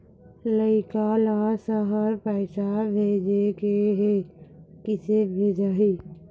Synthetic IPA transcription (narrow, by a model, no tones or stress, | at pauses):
ləɪkalasəɦəɾpəːsabʱeːd͡ʒekeɦekɪsebʱeːd͡ʒaɦiː